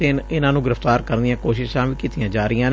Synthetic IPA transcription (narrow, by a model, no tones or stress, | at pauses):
ɪnɪnãːnũːɡɪɾəft̪aːɾkəɾnd̪ijãːkoːʃɪʃãːʋiːkiːt̪ijãːd͡ʒaːɾijãːn